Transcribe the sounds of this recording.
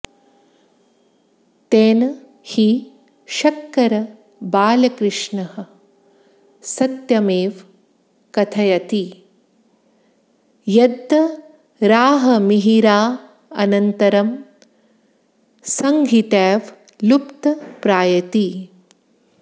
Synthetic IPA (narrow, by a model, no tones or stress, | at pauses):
t̪eːnɐ | hi | ʃɐkːɐɾɐ | baːlɐkɾɪʂɳɐhɐ | sɐt̪jɐmeːʋ | kɐt̪ʰɐjɐt̪i | jɐd̪ʱːɐ | ɾaːɦɐmiɦiɾaː | ɐnɐnt̪ɐɾɐm | sɐŋɡʱit̪ɛːʋ | lupt̪ɐpɾaːjɐt̪i